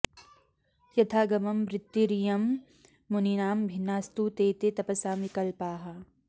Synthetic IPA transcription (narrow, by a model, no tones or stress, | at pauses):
jɐt̪ʰaːɡɐmɐmːɾɪt̪ːiɾijɐmː | uninaːmbʱɪnːaːst̪ut̪eːt̪et̪ɐpɐsaːmʋikɐlpaːɦa